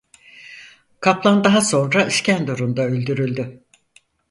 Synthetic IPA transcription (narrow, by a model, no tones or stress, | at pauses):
kʰaplˠand̪aɦaso̞nɾaɯʃcænd̪uɾund̪aølʲd̪yɾylʲd̪y